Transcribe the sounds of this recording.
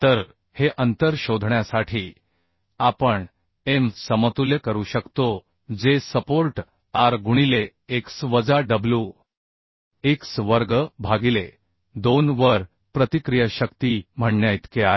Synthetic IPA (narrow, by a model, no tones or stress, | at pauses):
t̪əɾ | heʔənt̪əɾɕod̪ʱɳjasaʈʰiː | apəɳ | emsəmət̪uljəkəɾuːɕəkt̪o | d͡zesəpoɾʈ | aɾɡuɳ̃ile | eksʋəd͡zaɖəblju | eksʋəɾɡəbʱaɡile | d̪onʋəɾ | pɾət̪ikɾijəɕəkt̪im̤əɳːajt̪kea